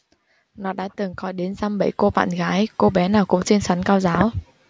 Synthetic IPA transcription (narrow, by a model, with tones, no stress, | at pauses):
nɔ˨˦ɗa̰ː˧˥t̪ɨ˨˩ŋkɔ˨˦jɗe˨˦nzaː˧mɓə̰˧˩˨jko˧ɓa̰ː˧˨nɣaː˨˦jko˧ɓɛ˨˦naː˨˩wkʊ̰˧˥ŋ͡mt͡ɕe˧nsa˨˦nkaː˧wzaː˨˦w